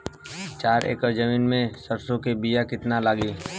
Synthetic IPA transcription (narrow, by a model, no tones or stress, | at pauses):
t͡ʃaːɾḛːkəɾd͡ʒəmiːnmẽsɐɾsõkebijakɪt̪nalaːɡiː